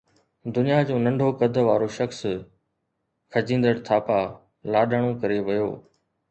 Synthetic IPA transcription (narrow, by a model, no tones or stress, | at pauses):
d̪ʊnijad͡ʑõːnɐ̃ɳɖʱokɐd̪ʱʋaːɾoʃɐxs | kʰɐd͡ʑĩːn̆d̪əɽ̃t̪ʰaːpa | laːɗəɽ̃õkɐɾeʋɐjo̰ː